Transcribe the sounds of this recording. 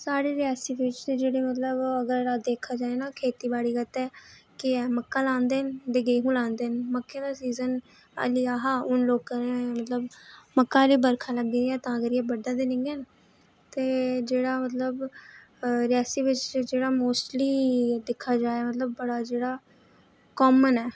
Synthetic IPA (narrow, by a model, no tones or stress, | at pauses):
saːɽeːɾɪaːsiːʋɪt͡ʃ̪ːd͡ʒeːɽeːmət̪ləbəɡəɾad̪eːkʰaːd͡ʒaːeːnaːkʰeːt̪iːbaːɽiːɡət̪ɛːkɪɛːməkːaːlãːnd̪eːnd̪eɡeːɦũːlãːnd̪eːnməkːeːd̪aːsiːzən | a̰liːaːɦaːʊnloːɡ̚kəɾemət̪ləbməkːaːliːbəɾkʰaːləɡːẽːɛːt̪ãːəɡəɾjeːbəɖaːd̪enɪ̃ŋɡeːn | t̪eːd͡ʒeːɽaːmət̪ləb | ɾɛːsiːʋɪt͡ʃd͡ʒeːɽaːmoːsʈliːd̪ɪkʰːaːd͡ʒaːeːmət̪ləb̚ːəɽaːd͡ʒeːɽaː | kɔːmənɛː